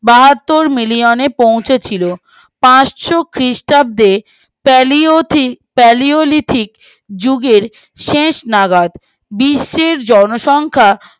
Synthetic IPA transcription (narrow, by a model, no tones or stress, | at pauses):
baɦat̪ːoɾmilionepow̃t͡ɕʰet͡ɕʰilo | pãt͡ɕʃokɾisʈab̚d̪e | lipɛliolit̪ʰik | d͡ʑuɡeɾ | ʃeʃnaɡad̪ | biʃːeɾd͡ʑɔnoʃɔŋkʰa